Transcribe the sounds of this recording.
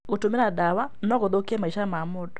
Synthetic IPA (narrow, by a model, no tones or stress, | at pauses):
ɣotomeɾadawanɔɣoðokɛmaiʃamamodɔ̥